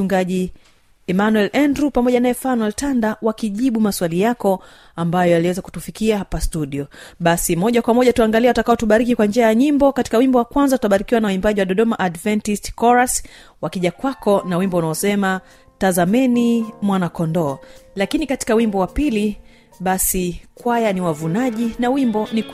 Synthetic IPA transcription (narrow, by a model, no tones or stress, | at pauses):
uŋɡaʄi | ɛmanwɛlʔɛndɾupamɔʄanaɛfanwɛltandawakiʄiɓumaswalijakɔ | ambajɔjaliwɛzaku̥tufikiaɦapastuɗiɔɓasimɔʄakwamɔʄatuaŋɡaliɛwatakaɔtuɓaɾikikwand͡ʒɛajaɲimbɔkati̥kawimbɔwakwanzatutaɓaɾikiwanawuimbaʄiwaɗɔɗɔmaʔadvɛntistkɔɾas | wakiʄakwakɔnawimbɔunaɔsɛma | tazamɛnimwanakɔndɔːlakinikati̥kawimbɔwapili | ɓasikwajaniwavunaʄinawimbɔnik